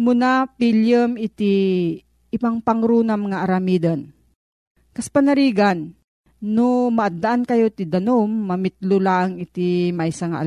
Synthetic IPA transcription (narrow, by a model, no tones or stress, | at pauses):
mʊnapiljamɪt̪i | ʔɪpaŋpɐŋɾuːnamŋaʔɐɾɐmiːd̪ɐn | kɐspɐnɐɾiːɡanː | ʊmɐʔad̪ːaʔankɐjot̪ɪd̪ɐnomːɐmɪt̪̚lolaŋɪt̪imɐjsɐŋa̰ʔ